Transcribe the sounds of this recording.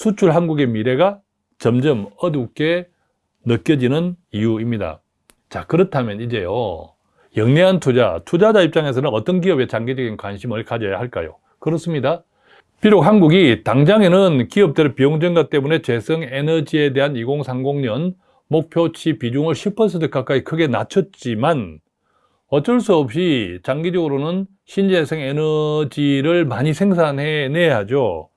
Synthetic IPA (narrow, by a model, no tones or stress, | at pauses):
sʰut͡ɕʰuɭɦanɡuɡe̞miɾe̞ɡa | t͡ɕʌmd͡ʑɯmʌduk͈e̞ | nɯk͈̚jʌd͡ʑinɯnijuimɲida̰ | t͡ɕakɯɾʌtʰamjʌnid͡ʑe̞jo̰ | jʌŋneɦantʰud͡ʑa̰tʰud͡ʑad͡ʑaip̚t͡ɕ͈aŋe̞s̬ʰʌnɯnʌt͈ʌnkiʌbe̞t͡ɕaŋɡid͡ʑʌɡinkwanɕʰimɯɭkad͡ʑʌja̰ɦaɭk͈a̰jo̰ | kɯɾʌs͈ɯmɲida | piɾok̚ɦhanɡuɡitaŋd͡ʑaŋenɯnkiʌp̚t͈ɯɾepioŋd͡ʑenɡat͈e̞mune̞t͡ɕe̞sʰʌŋe̞nʌd͡ʑie̞de̞ɦaniɡoŋsʰaŋɡoŋɲʌn | mok̚pʰjot͡ɕʰipid͡ʑuŋɯɭɕʰipʰʌnsʰʌtʰɯk͈ak͈aikʰɯɡe̞na̰t͡ɕʰʌt̚t͡ɕ͈iman | ʌt͡ɕ͈ʌɭs̬͈uʌp̚ɕ͈it͡ɕaŋɡid͡ʑʌɡɯɾonɯn | ɕʰind͡ʑesʰeŋenʌd͡ʑiɾɯɭmaɲisʰe̞ŋsʰanɦe̞neɦad͡ʑo